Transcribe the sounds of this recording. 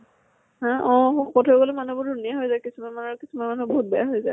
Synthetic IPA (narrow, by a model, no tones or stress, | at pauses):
ɦãʔɔ̃xɔtʰɔɡolɛmanubʊdunijaɦɔjzajkisumanmanaɹkisumanmanuboɦut̚bɔjaɦɔjzaj